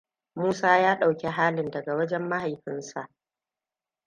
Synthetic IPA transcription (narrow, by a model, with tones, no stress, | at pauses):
muː˦saː˦jaː˦ɗa˨wkʲe˨ɦaː˦lɪ˨ndɐ˨ɡa˨wɐ˦d͡ʒɛ˦mːa˦ha˨jɸɪ˦nsa˨ʔ